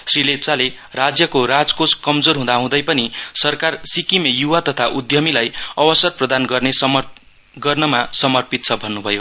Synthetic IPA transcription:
srilet͡sale | rad͡zjʌkoɾad͡zkoskʌmd͡zorɦũd̪aɦũd̪ʌjpʌnisʌrkarsikimejuwat̪ʌt̪ʰaʔud̪jʌmilajʌbʌsʌrprʌd̪anɡʌrnesm | ɡʌrnʌmasʌmʌrpit̪̚t͡sʰʌbʱʌnːubʱʌjo

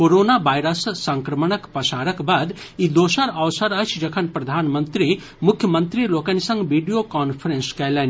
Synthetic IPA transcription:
koɾoːnabajɾəssɐ̃ŋkɾɐmənəkpɐsaːɾəkbaːd̪ | id̪oːʃəɾɐʋsəɾɐt͡ʃʰd͡ʒɐkʰɐnpɾɐd̪ʱaːnmənt̪ɾi | mʊkʰjəmə̃nt̪ɾiloːkɐnisɐ̃ŋɡʋiːɖijokɔːnpʰɾẽnskɛlen

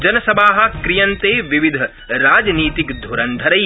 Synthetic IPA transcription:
d͡ʒɐnɐsɐbʱaːɦɐ̆kɾijɐ̃nt̪eːʋiʋid̪ʱɐ | ɾaːd͡ʒniːt̪ikd̪ʱuɾɐnd̪ʱɐɾɐj

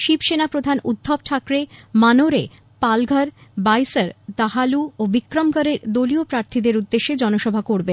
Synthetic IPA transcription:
ʃibʃenapɾod̪ʱanud̪ʱːɔb̚ʈʰakɾemanoɾe | palɡʱaɾbajsaɾd̪aɦaluobikɾomkaɾeɾd̪oliopɾaɾt̪ʰid̪eɾud̪ːeʃed͡ʑɔnoʃɔbʱakoɾbe

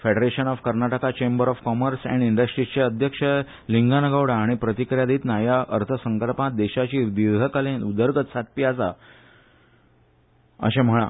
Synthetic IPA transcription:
feɖəɾeɕənɔfkəɾnaʈəkat͡ɕembəɾɔfkɔməɾsɛ̰̃ɳɖiɳɖəsʈɾit͡ɕeəd̪ʱjəkʂə | liŋɡanəɡaʋɽaːɽ̃ipɾət̪ikɾjad̪iːt̪najaʔəɾt̪ʰəsəŋkəlpat̪̚d̪eɕat͡ɕiːʋid̪ʱəkalẽnud̪əɾɡət̪sat̪̚piasa̰ | ə̰ɕẽm̤əɭa̰

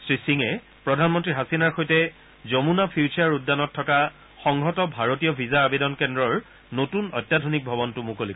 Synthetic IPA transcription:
sɹisiŋɛ | pɹɔdʱanmɔntɹiɦasinaɹxojtɛ | zomunapʰiut͡ʃaɹudːanɔtʰːɔka | xɔŋɡʱɔtɔbʱaɹotijɔbʱizaːbedɔnkɛndɹɔɹ | notunɔjtːadʱonik̚bʱɔbɔntumukolik

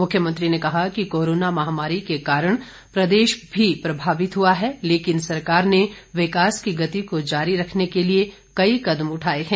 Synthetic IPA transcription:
mʊkʰːjəmə̃nt̪ɾinekɐɦakikoːɾoːnamɐɦaːmaːɾikekaːɾəɽ̃ | pɾɐd̪eːʃbʱipɾɐbʱaːʋɪt̪ɦuaɦɛleːkɪnsɐɾkaːɾneʋɪkaːskiɡɐt̪ikod͡ʒaːɾiɾɐkʰnekelie | kɐikɐd̪mʊʈʰaːeɦɛ̃ː

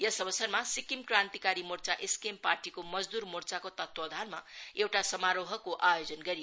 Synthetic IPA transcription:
jʌsʌbʌsʌrmasikimkrant̪ikaɾimurt͡saʔeskemparʈikomʌd͡zd̪urmurt͡sakot̪ʌt̪wʌd̪ʱanmaewʈasʌmaɾoɦʌkoʔajod͡zʌnɡʌɾi

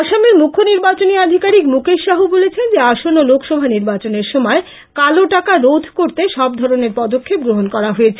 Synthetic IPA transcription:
ʃameɾmukʰːoniɾbat͡ɕoniad̪ʱikaɾikmukeʃʃːaɦubolet͡ɕʰend͡ʑeaʃonːolokʰʃɔbʱaniɾbat͡ɕoneɾʃɔmɔe | kaloʈakaɾod̪ʱkoɾt̪eʃɔb̚d̪ʱɔɾoneɾpɔd̪okʰːep̚ɡɾoɦonkɔɾaɦojet͡ɕʰe

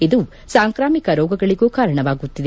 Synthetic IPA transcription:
id̪u | saːŋkɾaːmikɐɾɔːɡɐɡɐɭiɡoːkaːɾɐɳɐʋaːɡut̪ːid̪e

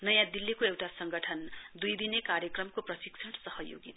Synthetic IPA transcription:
nʌjãd̪ilːikoewʈasʌŋɡʌʈʰʌnd̪ujd̪inekaɾjʌkrʌmkoprʌsik̚t͡ʃʰʌnsʌɦʌjo̰ɡit̪

